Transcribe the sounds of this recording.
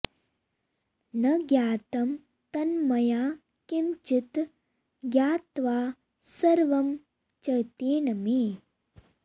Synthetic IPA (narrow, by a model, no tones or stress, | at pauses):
nɐɡjaːt̪ɐm | t̪ɐnmɐjaː | kimt͡ʃit̪ | ɡjaːt̪ʋaː | sɐɾʋɐm | t͡ʃɐjt̪eːnɐmi